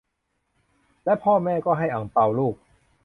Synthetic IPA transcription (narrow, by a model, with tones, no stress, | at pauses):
lɛ˦˥pʰɔː˥˩mɛː˥˩kɔː˥˩ɦa˥˩jʔa˩˦ŋpa˧wluː˥˩k̚